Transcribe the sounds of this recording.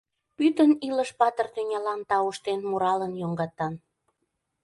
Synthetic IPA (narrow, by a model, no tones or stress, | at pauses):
pyt̪əniləʃpɑt̪ərt̪ynʲɑlɑnt̪ɑuʃt̪enmuɾɑlənjoŋɡɑt̪ɑn